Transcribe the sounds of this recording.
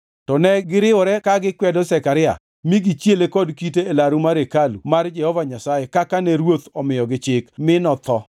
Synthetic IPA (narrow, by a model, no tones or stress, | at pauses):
tɔnɛɡɪɾɪɔɾɛkaɡɪkwɛdɔsɛkaɾɪa̰ | miɡit͡ʃjelekɔdkiteːlaɾumaɾekalumard͡ʒɛhɔvaɲasajekakanɛɾwot̪ɔmɪjɔɡɪt͡ʃɪkmɪnɔt̪ɔ